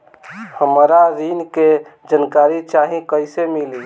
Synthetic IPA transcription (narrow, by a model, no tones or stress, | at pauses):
həmɾaɾinked͡ʒənkaɾit͡ʃaɦĩkəɪsemili